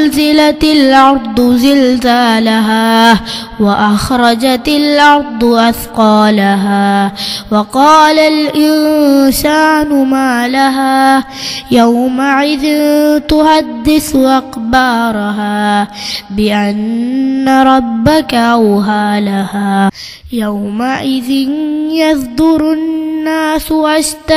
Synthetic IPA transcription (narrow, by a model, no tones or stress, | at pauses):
lzɪlat̪alʔɑɾˤd̪ˤzɪlzaːlaɦaː | waʔaxɾˤɑd͡ʒat̪alʔɑɾˤd̪ˤʔaθqɑːlaɦaːwɑqɑːlalʔɪnsaːnʊmaːlaɦaː | jawmaʕɪðɪnt̪ʊhad̪ːɪθʔaqbɑːɾˤɦaː | bɪʔanːaɾˤɑbːakaʔawɦaːlahaː | jawmaʔɪðɪnjɑðd̪ʊɾnːaːsʊʔaʃt̪a